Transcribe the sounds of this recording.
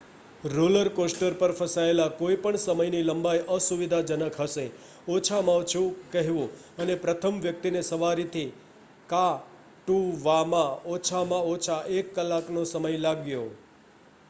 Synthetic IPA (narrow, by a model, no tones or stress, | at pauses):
ɾoləɾkosʈəɾpəɾfʰəsaelakoipəɳsəməjniləmbajʔəsuʋid̪ʱad͡ʒənəkʰɦəʃe | ot͡ʃʰamãt͡ʃʰukəɦʋũ | ənepɾət̪ʰəmʋjək̚t̪inesəʋaɾit̪ʰi | ka | ʈuʋamãot͡ʃʰamãot͡ʃʰaʔekːəlːaknosəməjlaɡjo